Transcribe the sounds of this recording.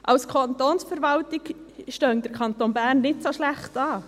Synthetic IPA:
ʔɑlskʰont̪oːnsfəɾʋɑltɪkʃtœŋdəɾkʰɑnt̪oːnbæːrnːɪtsoʃlæχtɑː

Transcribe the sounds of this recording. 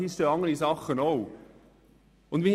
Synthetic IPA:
ist̪oɑŋəɾisɑχənoʊ | ʊndʋin

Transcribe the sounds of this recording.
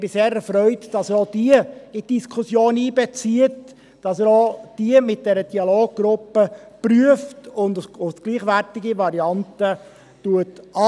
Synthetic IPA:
b̥ɪseːɾɛɾfɾœʏtd̥ɑsəɾod̥iəɪtd̥iskʰʊsjoːniːbɛt͡siət | d̥ɑsəɾod̥iəmɪt̚d̥ɛɾəd̥iɑloːɡ̚ɡ̥ɾʊpːəpryəftʊndʊsɡ̥liːχʋæɾtɪɡiʋɑɾiɑntə | tuətɑ

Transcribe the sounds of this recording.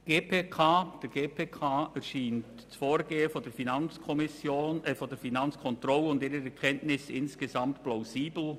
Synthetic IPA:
ɡ̥eːpʰekʰaːd̥ɛɾɡ̥eːpʰeːkʰaːɛɾʃiːnt | t͡sfoːɾɡ̥eːəfɔdɛɾfinɑnt͡skʰɔmɪsjoːnɛfɔndɛfinɑnt͡skʰɔntɾɔlʊndiːɾəɾɛkʰɛntnɪsɪ̰nskezɑmtplaʊziːbl̩

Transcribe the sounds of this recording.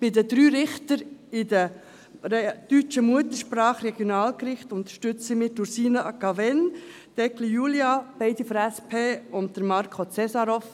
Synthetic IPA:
pɪdədɾyːɾɪχtəɾɪdə | d̥yt͡ʃəmuətəɾʃprɑːχrɛɡ̥jonɑːlkrɪχtʊntə̥ʃtʏt͡simɪduɾsiːnəɑkɑvɛn | d̥ɛkʰlijuljɑb̥ɛɪdifɾæspʰeːʊnt̚d̥əɾmɑɾkʰot͡sɛsɑɾof

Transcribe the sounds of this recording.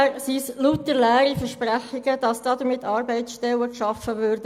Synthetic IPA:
ɾsislutːəlæːɾifəɾʃpɾæχːiɡəd̥ɑsd̥ɑːd̪əɾmɪt̪ʰːɑːɾbɛɪtsʃtɛləkʃɑfəʋøɾdə

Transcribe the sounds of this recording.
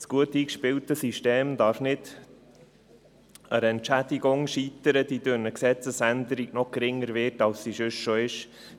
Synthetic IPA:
sɡ̥uətiːkʃpɪltəsiʃteːmdɑːɾfnɪd | əɾɛntt͡ʃæd̥iɡʊŋʃiːtəɾəd̥idønəksɛt͡səsænd̪əɾiɡnɔχɡ̥ɾɪŋːəɾvɪtɑlssiʃʏʃʃoɪʃ

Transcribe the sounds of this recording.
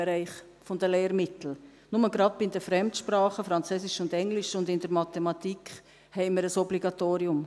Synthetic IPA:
eɾæɪχ | fɔndəleːɾmɪt̪l̩ | nʊməɡɾɑd̚b̥iɪndəfɾɛmtʃpɾɑːχəfɾɑnt͡søːsɪʃʊndɛŋlɪʃʊndɪnd̥əɾmɑt̪ɛmɑt̪ikχ | hɛɪməɾəsɔbliɡɑt̪oːɾiʊm

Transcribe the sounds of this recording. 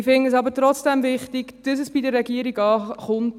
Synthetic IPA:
fɪŋəs̬ɑbətɾɔt͡sd̥ɛmvɪχtɪɡd̥əs̬əsb̥idəɾːɛɡiːəɾiɡɑːχʊnt

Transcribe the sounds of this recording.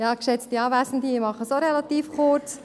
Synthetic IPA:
jɑːkʃɛt͡stiɑːvæɪsn̩diimɑχəsoɾɛlɑt̪iːfkʊɾt͡s

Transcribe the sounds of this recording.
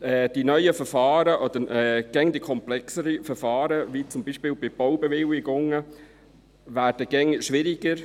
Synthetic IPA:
ɛːd̥inœʏəfəɾfɑːɾəʔɔd̪əɾɛɡ̥ɛŋd̥̪ikʰɔmplɛksəɾifəɾfɑːɾəvit͡sʊmbiːʃpɪːlbɪb̥ɔwbɛʋɪlɪɡʊŋə | væːɾd̥əɡ̥ɛŋʃʋɪɾɪɡ̥əɾ

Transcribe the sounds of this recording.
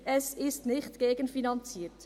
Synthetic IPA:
ɛsɪstnɪχtɡ̥eːɡənfinɑnt͡siːt

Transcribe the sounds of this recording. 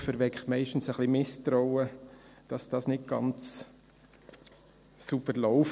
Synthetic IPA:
fəɾʋɛkχmɛɪʃtn̩səχlimɪstɾɔʊəd̥ɑsd̥ɑːsnɪt̚ɡ̥ɑ̰nt͡s | subəɾlɔʊf

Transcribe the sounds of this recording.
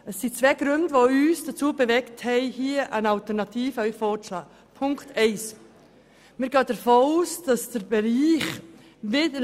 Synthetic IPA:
əsːit͡svɛːɡ̥ɾʏndəvoyːsd̥ət͡suːbəvɛkthɛɪhiːəʔænɑltəɾnɑtʰiːfəœʏfɔːtlɑː | pʰʊŋktɛɪs | miːɾɡɑːd̥əɾfoːuːsd̥ɑsd̥əɾbeɾiːχ | vɪdə

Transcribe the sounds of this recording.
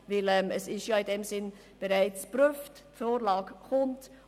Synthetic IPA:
vɪlɛmɛsɪstjɑːɪndemzɪn | b̥ɛɾaɪt͡sb̥ɾʏftfoːɾlɑːɡ̥hʊnd

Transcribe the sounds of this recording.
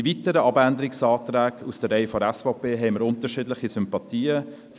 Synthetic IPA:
ivitəɾəʔɑbændəɾɪksɑːtɾæːkusd̥əːɛɪfɔɾɛsfɔpeːɦɛɪməɾʊntəʃiːdlɪχisʏmpɑtiːə | s

